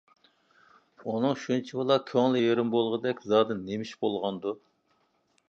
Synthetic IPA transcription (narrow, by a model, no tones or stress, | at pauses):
unɨŋʃunt͡ʃʰibɨlˠɑkʲʰøŋlɪjeɾɪmbolˠʁəd̪ɛkʲzɑːd̪ɨnːemiʃbolˠʁɑnd̪u